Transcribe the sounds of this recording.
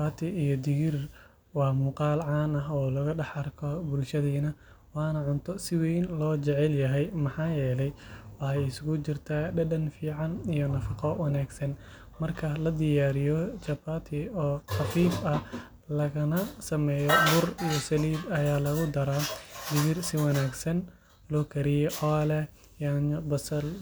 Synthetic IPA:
aːt̪ʰɪijɔd̪ɪɣɪr | wɑːmuːqɑːlʕɑːnɐɦɔːlɐɣɐɖɑħɐrkʰɔbʊlʃɐðiːnɐ | wɑːnɐʕʊnt̪ʰɔsɪwɛjnlɔːt͡ʃɛʕɛljɐɦɛjmɐħɑːjɛːlɛjwɑħɑjɪsɣʊt͡ʃɪrt̪ʰaːɖɐɖɐnfiːʕɑnijɔnɐfɑqɔwɑnaːɡsɐn | mɐrkʰɐlɐd̪ɪjaːɾɪjɔt͡ʃɐbaːt̪ʰɪɔːxɑfiːbɐ | lɐɣɐnɐsɐmɛːjɔbʊrijɔsɐliːbɐjaːlɐɣʊd̪ɐɾaːd̪ɪβɪrsɪwɐnaːɡsɐn | lɔːkʰɐɾɪjɔʔɔːlɛ | jaːnbɐsɐl

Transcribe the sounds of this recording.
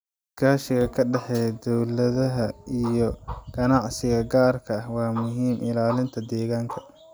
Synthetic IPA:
kʰaːʃɪɣɐkʰɐɖɛħɛːjd̪ɔwlɐðɐɦɐijɔɡ̥ɐnɑʕsɪɣɐɡaːrkʰɐɐhwɑːmʊɦiːmʔɪlaːlɪnt̪ʰɐd̪ɛːɣaːŋkʰɐ̥

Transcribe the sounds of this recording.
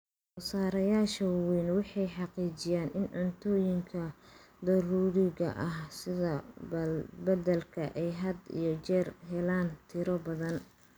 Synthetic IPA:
ɔsaːɾɐjaːʃɐwiːnwɑħɑjħɑqiːt͡ʃɪjaːnɪnʕʊnt̪ʰɔːjɪŋkʰɐ | d̪ɐɾuːɾɪɣɐ̰ʔɐhsɪðɐ | bɐd̪ɐlkʰɐʔɛjɦɐd̪ḭjɞt͡ʃɛːrɦɛlaːnt̪ʰɪɾɔbɐðɐn

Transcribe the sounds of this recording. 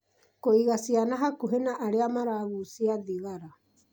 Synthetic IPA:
koiɡasianaɦakuɦenaʔaɾeamaɾaβusiadiɡaɾa

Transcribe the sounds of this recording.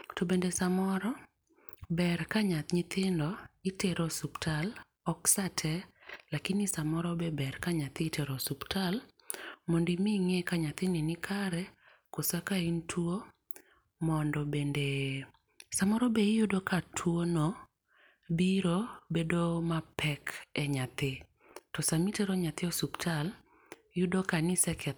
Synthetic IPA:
tobendesamɔɾɔ | bɛrkaɲat̪ɲit̪ɪndɔiteɾɔsuptʰal | ɔksatʰɛlakɪnisamɔɾɔbebɛrkaɲat̪iteɾɔsuptʰal | mondimiŋɛkaɲat̪ɪninɪkʰaɾɛ | kosakaintʰuo | mɔndɔbende | samɔɾɔbejudokatʰwono | biɾobedomapʰɛkɛɲat̪ɪ | tɔsamitɛɾɔɲat̪ɪɔsuptʰal | jʊdokanɪsɛkɛ

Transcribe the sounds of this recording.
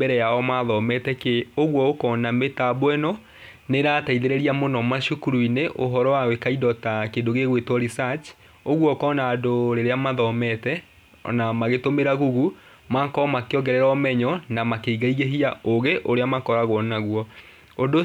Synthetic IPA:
bɛɾɛjaɔmaðɔmɛtɛkeoɣwɔokɔnametabwɛnɔ | neɾaːtaiðeɾɛɾiamonɔmaɕukuɾuineʔoɦɔɾɔwawekaidɔtakedoɣeɣwetwɔɾisat͡ʃ | oɣwɔkɔnaːdoɾeɾeamaðɔmɛtɛ̰ | namaɣetomeɾaɣuɣu | makɔmakeɔɡɛɾɛɾɔmɛɲɔnamakeiɣaiɣeɦiaoɣeʔoɾeamakɔɾaɣwɔnaɣwɔ | ondo

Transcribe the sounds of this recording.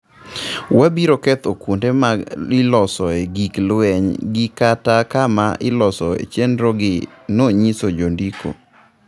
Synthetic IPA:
wabiɾokɛt̪okundemaɪlɔsɔeɡiklwɛɲɡɪkatakamaʔɪlɔsɔḛt͡ʃendɾɔɡɪ | noɲisod͡ʒondikʰo̰

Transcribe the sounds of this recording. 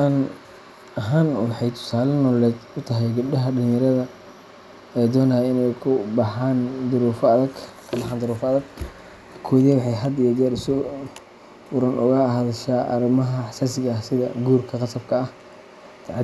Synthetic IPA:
aːn | ɐɦaːnwɑħɑjt̪ʰʊ̥saːlɐnɔːlɛːd̪ʊt̪ʰɐɦɛjɡʊb̚ɗɐɦɐɖɪlɪ̃jɐɾɐðɐ | ɛjd̪ɔːnajɛɪnɛjkʰʊbɑħaːnd̪ʊɾuːfɐðɐɡ | kʰbɑħaːnd̪ʊɾuːfɐðɐɡ | kʰɔːðɛwɑħɑjɦɐd̪ɪjɐd̪ɛːɾʊsɔ | fʊɾɐnʔʊ̰ɣɐɦaːðɐʃaːʔɐ̰ɾɪmɐɦɐħsaːsɪɣɐːhsɪðɐ̰ɡuːrkʰɐqɑsɐb̚kʰɐːh | t̪ʰaʕ

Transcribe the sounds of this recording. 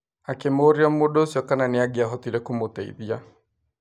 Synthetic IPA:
akemoɾeɔmodoːsjɔkananeaɡeaɦɔtiɾɛkomotɛḭðia

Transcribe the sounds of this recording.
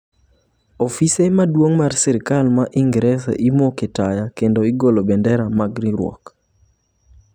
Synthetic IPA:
ofisemadwoŋmarsɛɾikalmaʔiŋɡɾɛsḛʔimoketajakendoiɡolobɛndɛɾamaɡɾiɾwɔ̰k

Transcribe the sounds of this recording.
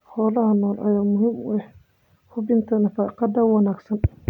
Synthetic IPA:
ħɔːlɐhɐnɔːlʔɐ̰jaːmʊhɪmʊɛħ | kʰʊbɪnt̪ʰɐnɐfaːqɑd̪ɐwɑnaːɡsɐn

